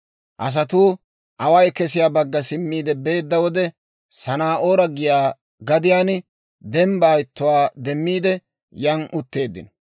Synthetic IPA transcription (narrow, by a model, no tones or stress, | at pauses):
ʔɐs̬ɐt̪uː | ʔɐwɐjkɛsɪjaːbɐɡːɐsɪmːiːd̪ɛbe̞ːd̪ːɐwɔd̪ɛ | sɐnaːʔoːɾɐɡɪjaː | ɡɐd̪ɪjaːn | d̪ɛmbaːjɪt̪ːʊwaːd̪ɛmːiːd̪ɛ | jɐnʔʊt̪ːe̞ːd̪ːɪ̰nɔ